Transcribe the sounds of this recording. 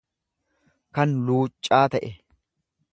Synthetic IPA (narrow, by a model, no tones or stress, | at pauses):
kɐnluːt͡ʃʼːaːt̪ɐʔɛ